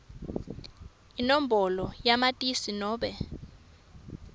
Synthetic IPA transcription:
inom̩bʱɔlɔjamatʼisinɔːɓɛ

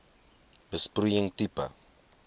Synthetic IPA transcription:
bəsprujəŋt̪ipɐ̰

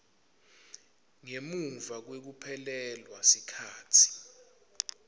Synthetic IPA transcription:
ŋemuɱvak̬wek̬upʰɛlɛlwasikʰaːtʰi̥

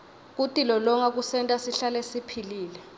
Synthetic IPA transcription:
k̬utʼilɔlɔŋak̬usɛntʼasiɬalɛsipʰiliːlɛ

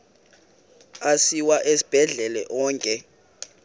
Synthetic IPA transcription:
asiwaʔesi̥b̥ʱɛɮɛlɛ̰ʔɔːŋkʼɛ

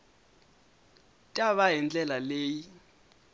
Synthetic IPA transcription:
tʼaβaɦind͡ɮʼɛlaleːji

